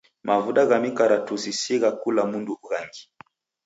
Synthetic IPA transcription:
mavuɗaɣamikaɾatusisiɣakulamunduuɣaŋɡi

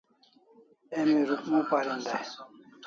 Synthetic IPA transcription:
ɛmiɾukmũpaɾind̪aj

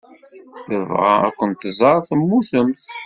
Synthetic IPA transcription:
θəvʁa̰æ̰kʷːənt̪zˤɑɾˤθəmːuθəmθ

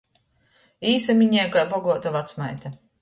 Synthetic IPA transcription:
iːsamʲiɲɛjkajbɔɡuɔt̪avat̪smajt̪a

